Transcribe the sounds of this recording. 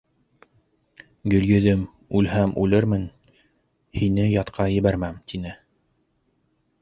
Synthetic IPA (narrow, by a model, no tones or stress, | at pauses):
ɡɵ̆ljɵ̆ðɘm | ʉlhæmʉlɘɾmɘn | hinɘjɑt̪qʰɑjɘ̆βæɾmæmt̪inɘ